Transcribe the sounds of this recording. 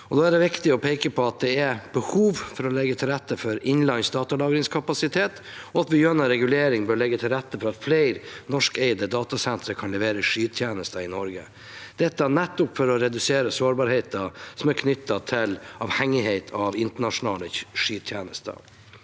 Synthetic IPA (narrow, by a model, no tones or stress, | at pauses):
ɔd̪oːæɖɛʋɪkt̪ɪɔpʰeːkəpʰɔɑt̪̚d̪ɛæɾb̥əhuːʋfɔɾɔlɛɡːət̪ʰɪlɾæt̪ːəfɔɾɪnlɑɪnsd̪ɑːt̪ɑlɑːɡɾɪŋskʰɑpɑsɪt̪ʰeːt̪ | ɔɑt̪bɪjøːnəɾɛɡʉleːɾɪŋbøːɭɛɡːət̪ʰɪlɾæt̪ːəfɔɾɑt̪fleɪɾnɔʂkɛɪd̪əd̪ɑːt̪ɑsɛnt̪ɾəkʰɑnlɛʋeːɾəʂyːt̪ʰjeːnəst̪əɪnɔɾɡə | d̪̥ɛt̪ːɑnɛt̪ːʊpfɔɾɔɾɛd̪ʉseːɾəsoːɾbɑɾheɪt̪ɑsɔmæɾkʰnʏt̪ːɑt̪ʰɪlɑʋhɛŋːɪheɪt̪ʰɑʋɪnt̪əɳɑʂʊnɑːləʂyːt̪ʰjeːnəst̪ə̰